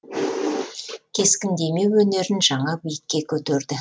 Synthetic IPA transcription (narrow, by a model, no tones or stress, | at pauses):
kʲʰe̞skʲɪnd̪e̞me̞wɵne̞ɾɪnʒɑɴɑbijɪkʲːe̞kʲʰɵt̪eɾd̪ɪ